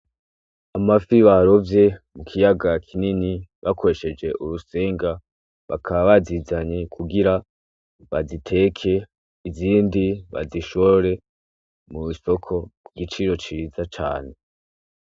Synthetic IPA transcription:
amafiβaɾo̞vje̞mukʰijaɡakʰininiβakʰo̞ɾe̞ʃe̞d͡ʒe̞ʔuɾuse̞ːŋɡa | βa̰kʰaβaβazizaɲekʰuɡiɾa | βazitʰe̞kʰe̞ | iziːndiβa̰ziʃoɾe̞ | muβuso̞kʰo̞kuɡit͡ʃiɾo̞t͡ʃiɾizat͡ʃa̰ːne̞

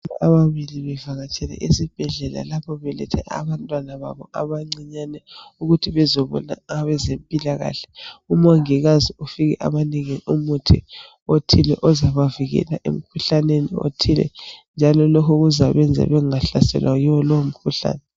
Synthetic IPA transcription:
ʔaβaβiliβɛvaɣat͡ʃʼʰɛlɛ̰ʔisib̥ʱɛɮɛla̰lapʰɔβɛlɛ̰tʰɛ̰ʔa̰βantʼwanaβa̰βɔaβaŋ͡ǀiɲanɛuɣutʰiβɛzɔβɔ̰na̰aβɛzempʼilaɣa̰ɬɛ̥umaŋiɣaziufiɣɛʔa̰βaniŋiumutʰi | otʰilɛ̰ʔɔzaβaviɣɛ̰laʔḛm̩kʰuɬanenio̰tʰilɛ̰nd͡ʒʱalɔlokʰuɣuzaβɛnd͡zʱɛ̰βɛaɬasɛ̰lwʔajiwɔlowom̩kʰuɬa̰ːnɛ

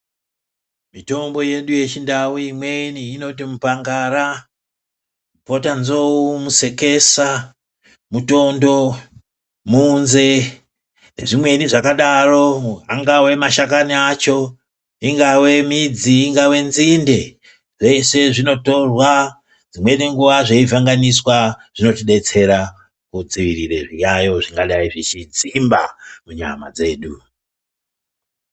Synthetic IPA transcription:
mito̞mbo̞je̞ɗuje̞t͡ʃindawuimweniːno̞timupaŋɡara | upo̞tanzo̞umuse̞ke̞sa | muto̞ndo̞ | munze̞ | ne̞̰ʐimwe̞niʐakaɗaro̞aŋɡawe̞maʃakaniat͡ʃo̞ | iŋɡawe̞mid͡ziːŋɡawe̞nzinde̞ | ʐ̥ese̞ʐino̞to̞rwa | d͡zimweneŋɡuʋaʐeivaŋɡaniswaʐ̥ino̞tiɗe̞t͡se̞ɾa | kud͡ziʋiɾireʐijajo̞ʐiŋɡaɗaiʐit͡ʃid͡zimbamuɲa̰ma̰d͡ze̞ːɗu

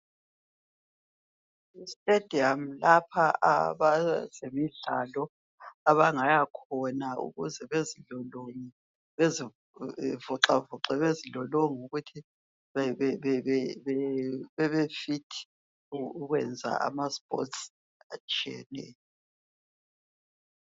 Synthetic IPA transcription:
istʼed̥ʱiamlapʰaa̰βazemiɮalɔ | aβaŋajakʰɔnaṵɣṵzɛβeziɮɔloŋi | βezi | vɔǁavɔǁɛβeziɮɔloŋiuɣutʰi | ɛɛɛɛβɛβɛβefitʰi̥ | uuɣwɛ̰nd͡zʱa̰ʔa̰maspʼɔ̰ts | at͡ʃʼiɛ̰nɛ̰ːjɔ

